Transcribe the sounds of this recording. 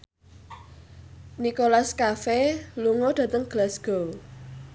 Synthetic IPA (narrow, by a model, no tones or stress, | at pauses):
nikolaskafɛluŋod̥ä̤t̪əŋɡ̥lasɡ̥o